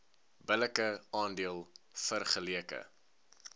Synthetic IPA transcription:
bələkəɑːndiəlˠfərχəliəkə̰

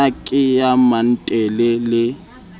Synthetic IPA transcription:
akʼɪjaman̩tʼɛlɛlɪ

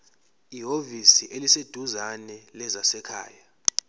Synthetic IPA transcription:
iɦovisiʔelised̥ʱuzanɛlɛzasɛkʰa̰ːja

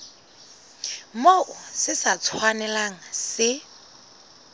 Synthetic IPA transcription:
moʔʊsɪsat͡sʰwanɛlaŋ̩sɪ

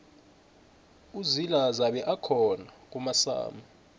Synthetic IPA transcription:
uzilazaɓɛʔakʰɔnak̬ʼumasa̰ːma

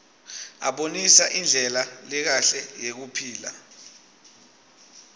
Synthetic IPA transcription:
a̰ɓonisaʔind͡ɮʱɛlalɛk̬aɬɛjek̬upʰiːla̰

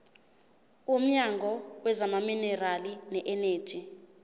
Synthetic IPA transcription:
om̩ɲaŋɡʱɔwɛzamaminɛralinɛʔɛne̥ːd͡ʒ̥ʱi

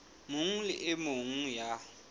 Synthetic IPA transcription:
mʊŋ̩lɪʔɪmoŋ̩ja

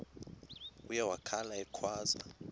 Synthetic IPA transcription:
ujawakʰalaɛkʰwaːza̰

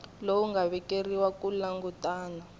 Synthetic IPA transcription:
lowuŋɡaβɛkʼeriwakʼulaŋɡutʼaːna

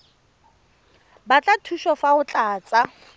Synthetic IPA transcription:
bat͡ɬʼatʰuʃɔfaʊt͡ɬʼaːt͡sʼa

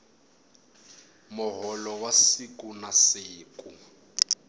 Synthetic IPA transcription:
mʊɦɔlɔwasikʼunasiːkʼu

